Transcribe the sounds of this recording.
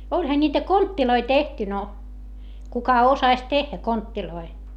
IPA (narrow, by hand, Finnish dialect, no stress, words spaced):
olʲhɑ nʲiːtæ kontːiloi tehty no kukɑ osɑsʲ tehːæ kontːiloi